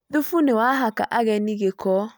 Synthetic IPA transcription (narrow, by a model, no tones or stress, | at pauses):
ðufunewaɦaka̰ʔaɣɛniɣekɔ